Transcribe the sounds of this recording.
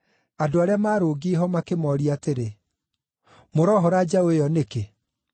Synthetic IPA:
adoaɾeamaːɾoɡeɦɔmakemɔɾiateɾe | moɾɔɦɔɾad͡ʒaoejɔneke

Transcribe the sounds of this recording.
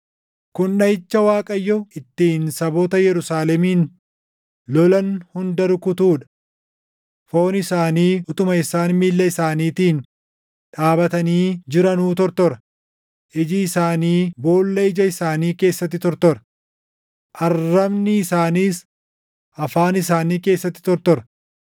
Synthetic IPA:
kʊnᶑɐɪt͡ʃːɐwaːkʼɐjːɔɪt̪ːiːnsɐboːt̪ɐjɛɾʊsaːlɛmiːn | lɔlɐnhʊnd̪ɐɾʊkʊt̪uːᶑɐ̥ | fo̞ːnɪsaːniːʊt̪ʼʊmɐɪsaːnmiːlːɐɪsaːniːt̪iːn | ᶑaːbɐt̪ɐniːd͡ʒɪɾɐnuːt̪ɔɾt̪ɔɾɐ | ʔɪd͡ʒɪːsaːniːbo̞ːlːɐɪd͡ʒɐɪsaːniːke̞ːsːɐt̪ːɪt̪ɔɾt̪ɔɾɐ̥ | ʔɐrːɐbnɪːsaːniːs | ʔɐfaːnɪsaːniːke̞ːsːɐt̪ːɪ̥t̪ɔɾt̪ɔɾɐ

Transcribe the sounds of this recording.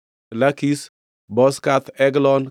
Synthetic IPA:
lakis | bɔskat̪ʰɛɡlɔn

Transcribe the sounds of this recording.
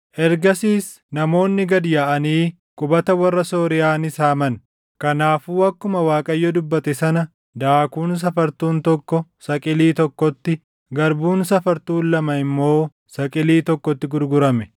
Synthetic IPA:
ʔɛɾɡɐsiːs | nɐmo̞ːnːɪɡɐd̪jaːʔɐniː | kʼʊbɐt̪ɐwɐrːɐso̞ːɾɪjaːnɪsaːmɐn | kɐnaːfuːɐkːʊmɐwaːkʼɐjːɔd̪ʊbːɐt̪ɛsɐnɐ | d̪aːkuːns̬ɐfɐɾt̪uːnt̪ɔkːɔsɐkʼɪliːt̪ɔkːɔt̪ːɪ | ɡɐɾbuːnsɐfɐɾt̪uːlːɐmɐɪmːo̞ː | sɐkʼɪliːt̪ɔkːɔt̪ːɪɡʊɾɡʊɾɐmɛ

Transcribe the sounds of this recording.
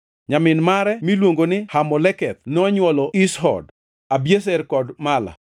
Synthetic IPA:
ɲamɪnmaɾɛmilwoŋɡonɪhamɔlɛkɛt̪̚nɔɲwɔlɔisɦɔ̰d | abjes̬ɛrkɔdmala̰

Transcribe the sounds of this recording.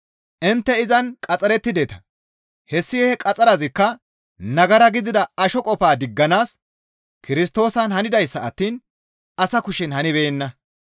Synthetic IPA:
ʔɪnt̪ːɛɪzɐnkʼɐt͡sʼɐɾɛt̪ːɪd̪et̪ɐ̥ | hɛsːɪjɛɛkʼɐt͡sʼɐɾɐzɪkːɐ | nɐɡɐɾɐɡɪd̪ɪd̪ɐɐʃɔkʼɔpaːd̪ɪɡːɐnaːs | kɪɾɪst̪o̞ːsɐnhɐnɪd̪ɐjsːɐɐt̪ːiːn | ɐsɐkʊʃɪnhɐnɪβeːnːɐ

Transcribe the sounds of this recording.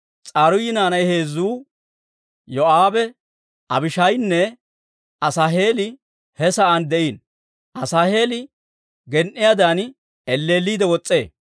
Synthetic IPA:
t͡sʼaːɾʊjɪnaːnɐjhe̞ːzːuː | jɔʔaːbɛ | ɐbɪʃɐjnːɛ | ʔɐsaːɦe̞ːlɪ | hɛsɐʔɐnd̪ɛʔiːn | ʔɐsaːhe̞ːlɪ | ɡɛnʔːɪjaːd̪aːn | ɛlːe̞ːlːiːd̪ɛwɔt͡sʼːe̞̰ː

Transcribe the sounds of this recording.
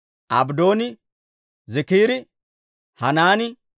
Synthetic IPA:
ʔɐ̰bd̪o̞ːnɪ | zɛkiːɾɪ | hɐnaːnɪ

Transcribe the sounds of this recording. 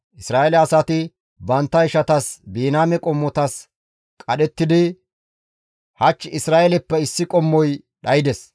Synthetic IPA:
ʔɪsɾaːɛlɛɐsɐt̪ɪ | bɐnt̪ːɐɪʃɐt̪ɐsbiːnaːmɛkʼɔmːɔt̪ɐs | kʼɐɗɛt̪ːɪd̪ɪ | hɐt͡ʃːɪsɾaːʔɛlɛpːɛɪsːɪkʼɔmːɔj | ɗɐjɪd̪ɛs

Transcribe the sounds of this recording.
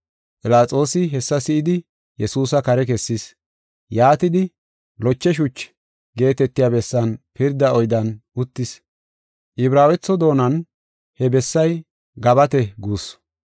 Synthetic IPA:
pɪlaːt͡sʼo̞ːsɪɦɛsːɐsɪʔɪd̪ɪ | jɛsuːsɐkɐɾɛkɛsːɪs | jaːt̪ɪd̪ɪ | lɔt͡ʃːɛʃ̬ʊt͡ʃː | ɡe̞ːt̪ɛt̪ːɪjaːbɛsːɐnpɪɾd̪ɐɔjd̪ɐnʊt̪ːɪs | ʔɪbɾaːwɛt͡sːɔd̪o̞ːnɐn | hɛbɛsːɐj | ɡɐbɐt̪ɛɡuːs

